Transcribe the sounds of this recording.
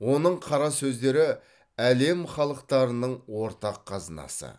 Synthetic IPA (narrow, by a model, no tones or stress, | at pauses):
wo̞nəɴqʰɑɾɑsɵzd̪e̞ɾɪ | æle̞mχɑlˠəqt̪ɑɾənəɴwo̞ɾt̪ɑqʰːɑzənɑ̰sə̰